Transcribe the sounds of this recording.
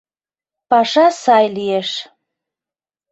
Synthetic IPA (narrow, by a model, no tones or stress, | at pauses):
pɑʃɑsɑjlieʃ